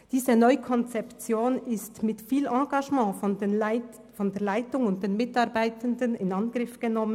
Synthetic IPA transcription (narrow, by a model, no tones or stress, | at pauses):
d̥iːzənɔʏkʰɔnt͡sɛpt͡sjoːnɪstmɪtfiːlʔɑ̃ːɡ̥aʒmɑ̃ː | fɔndeːɐlaɪtʊŋʊnt̚d̥eːnmɪtɑʁbaɪtəndənɪnɑnɡ̥ʁɪfɡ̥ənɔmən